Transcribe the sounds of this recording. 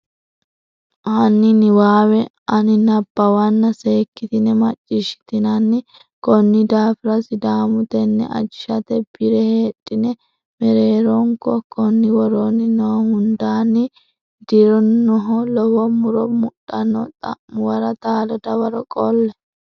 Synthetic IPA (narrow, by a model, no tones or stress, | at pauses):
ɐnːɪnɪwaːwɛ | ɐnɪnɐbːɐwɐnːɐse̞ːkːɪt̪ɪnɛmɐt͡ʃʼːɪʃɪ̥t̪ɪnɐnːɪ | kɔnːɪd̪aːfɪɾɐsɪd̪aːmʊt̪ɛnːɛ̰ʔɐ̰d͡ʒɪʃɐt̪ɛb̥ɪɾɛhe̞ːɗʼːɪnɛ | mɛɾe̞ːɾɔŋkɔkɔnːɪwɔɾoːnːɪnɔhhʊnd̪aːnːɪ | d̪̥ɪɾɔnːɔɦɔlɔwɔmʊɾɔmʊɗːɐnːɔ̰t̪ʼɐ̰ʔʊwɐɾɐt̪aːlɔd̪ɐwɐɾɔkʼɔlːɛ